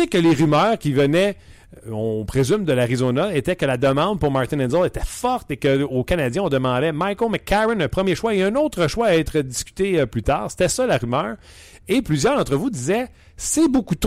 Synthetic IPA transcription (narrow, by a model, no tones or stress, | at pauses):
ekəleʁymœːʁkʲivənɛ | ɔ̃pʁezymd̪əlaʁizonɔet̪ɛkəlad̪əmɑ̃d̪̚puʁmaʁt̪ɪ̃nɛnzɔlet̪ɛfɔʁt̪ekəokanad͡zjɛ̃ɔ̃d̪əmɑ̃d̪ɛmajkomakːaʁɛnɛ̃pχəmjeʃwaeœ̃not̪χəʃwaɛt̪χəd̪iskʲy̥t̪eplyt̪a̰ːʁse̥t̪ɛsɔlaʁymœːʁ | eplyzjœːʁzɑ̃t̪ʁəvud̪izɛ | sebokut̪